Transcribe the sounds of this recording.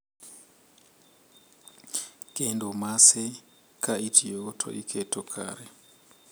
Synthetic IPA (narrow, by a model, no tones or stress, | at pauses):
ɡ̥endomase | kʰaitʰijotʰo̰ʔikʰetokʰa̰ːɾe